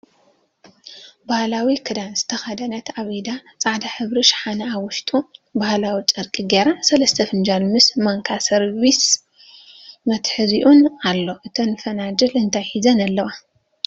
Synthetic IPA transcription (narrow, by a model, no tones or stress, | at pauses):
bahlawikʰɨd̪anzɨt̪ʰɐxɐd̪ɐnɐt̪aβid̪at͡sʼaʕd̪aħɨβɾiʃħanɐaβʊʃt̪ʼubahlawit͡ʃʼɨɾkʼiɡeɾasɐlɐst̪ʰɐfɨnd͡ʒalmɨsmɐŋkʰasɐɾβis | mɐt̪ħɨziʔunalːo̞ʔɨt̪ʰɐnfɐnad͡ʒɐlɨnt̪ʰajħizɐnalːɐwa